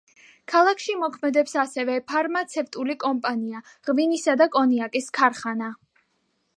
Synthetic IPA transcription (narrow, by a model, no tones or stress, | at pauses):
kʰalˠakʰʃimɔkʰmɛd̪ɛpsasɛvɛpʰaɾmat̪sʰɛft̪ʼulikʼɔmpʼania | ʁvinisad̪akʼɔniakʼiskʰaɾχana